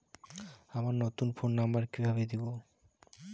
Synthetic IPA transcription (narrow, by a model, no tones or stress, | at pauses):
amaɾnɔt̪unfonːambaɾkibʱaβed̪ibo